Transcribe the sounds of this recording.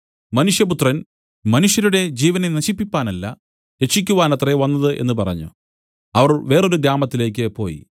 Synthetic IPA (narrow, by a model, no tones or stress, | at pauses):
mɐnuʂjɐput̪rɐn | mɐnuʂjɐɾuɽe̞d͡ʑiːʋɐnenɐɕipːipʲːaːnɐlːɐ̰ | ɾe̞t͡ʃːik̬ʲːuʋaːnɐt̪reʋɐnːɐðɨʔe̞̰nːɨpɐrɐ̰ɲːṵ | ɐʋɐrʋe̞ːro̞ɾuɡɾaːmɐt̪ːile̞ːkʲːɨpo̞̰ːjḭ